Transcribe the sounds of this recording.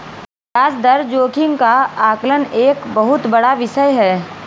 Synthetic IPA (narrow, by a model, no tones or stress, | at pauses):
aːsd̪ɐɾd͡ʒoːkɪ̃ŋɡkaaːkləneːkbɐɦʊt̪bɐɽaʋɪʃəjɦɛː